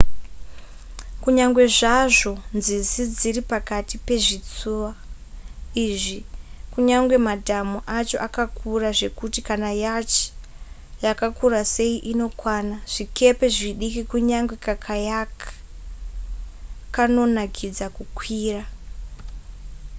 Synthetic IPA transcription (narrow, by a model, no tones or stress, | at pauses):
kuɲaŋɡwe̞ʐaʐo̞nzizid͡ziɾipakatipe̞ʐit͡suʋa | iʐikuɲaŋɡwe̞madʱamuʔat͡ʃo̞̰ʔakakʰuraʐe̞kutikanajat͡ʃi̥ | jakakuɾase̞iʔino̞kwanaʐ̥ike̞pe̞ʐiɗikikuɲaŋɡwe̞kakʰajaka | kano̞nakʰid͡zakukwiːra